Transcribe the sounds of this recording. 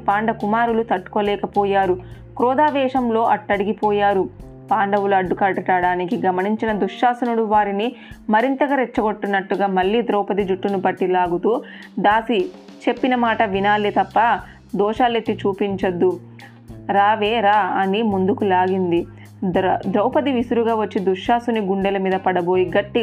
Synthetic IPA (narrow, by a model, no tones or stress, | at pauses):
paːɳɖɐkumaːɾulut̪ɐʈːu̥ko̞ːlɛːkɐpɔːjaːɾu | kɾɔːd̪aːʋɛːʂɐmlo̞ːʔɐʈːɐɽiɡipɔːjaːɾu | paːɳɖɐwuluɐɖːukɐɖɐʈaːɽaːnikiɡɐmɐniɲt͡ʃinɐd̪uʂaːsɐnuɽuʋaːɾinimɐɾint̪ɐɡɐɾet͡ʃːɐɡo̞ʈːunːɐʈːuɡaːmɐɭːiːd̪ɾɔːpɐd̪id͡ʒuʈːunupɐʈːilaːɡut̪uːd̪aːsit͡ʃe̞pːinɐmaːʈɐʋinaːlit̪ɐpːɐ | d̪ɔːʃaːlet̪ːit͡ʃuːpiɲt͡ʃɐd̪ːu | ɾaːʋeːɾaːɐnimund̪ukulaːɡind̪i | d̪ɾɐwpɐd̪iʋisuɾuɡaːʋɐt͡ʃːid̪uʂaːsuniɡuɳɖɛlɐmiːd̪ɐpɐɽɐbo̞ːjiɡɐʈːi